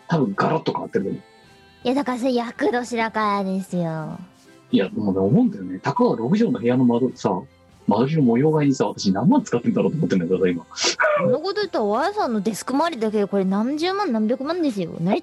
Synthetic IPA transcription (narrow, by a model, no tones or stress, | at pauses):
t̪abɯ̟̃ŋɡaɾot̪ːokaat̪ːeɾɯt̪omo | jad̪akas̬ejakɯd̪oɕiɾakaad̪esɯjo | ijad̪moneomoɯ̃nd̪ajonet̪akaɡaɾo̞kɯ̟ʑoːnohe̞jano̞mad̪osa | mad̪oɾʲinomojo̞ːɡaiɲisaβ̞at̪aɕinãmːãnt͡sɨ̥kat̪ːend̪aɾot̪oːmot̪ːenekɾasoaimamonokot̪ot̪͈ːaoβasoːnod̪e̞sɯ̥kɯmaɾʲid̪akekoɾenand͡ʑɨːmanːambʲjokɯ̟mand̪esɯjo̰na